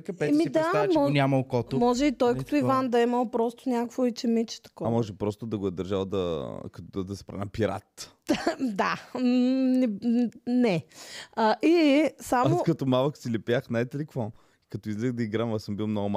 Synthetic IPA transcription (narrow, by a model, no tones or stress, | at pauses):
kɐpɛɛmid̪amɔnʲamɐlˠkɔt̪mɔʒɛit̪ɔjkkɐ̥t̪oivand̪ɐiməlˠpɾɔst̪ʊ̥nʲakəkvoit͡ʃɛmit͡ʃɛ̥t̪ɐ̥kɔamɔʒɛpɾɔst̪ʊd̪ɐɡoɛd̪ɐɾʒalˠd̪ɐkɐt̪od̪ɐsɛ̥pɾa̰nɐpiɾa̰t̪ | d̪a | nɛnɛɐʔisaokɐt̪ɔmavəksilɛpjaxnajt̪ɛlɛkvo | ikɐt̪ɔizlɛxd̪ɐiɡɾamɐsəmbilˠmnɔɡʊma